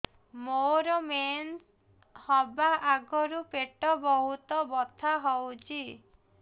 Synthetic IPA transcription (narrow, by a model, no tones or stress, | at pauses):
moɾɔmens | hɔbaʔaɡɔɾupeʈɔbɔɦut̪ɔbɔt̪ʰaɦɔwt͡ʃʰi